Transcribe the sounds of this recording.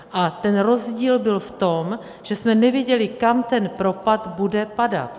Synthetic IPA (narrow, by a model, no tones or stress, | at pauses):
ʔat̪ɛnɾo̞zɟiːlbɪlft̪o̞m | ʒ̥ɛsmɛnɛvɪjɛɟɛlɪkamt̪ɛnpɾo̞pad̪budɛpada̰t̪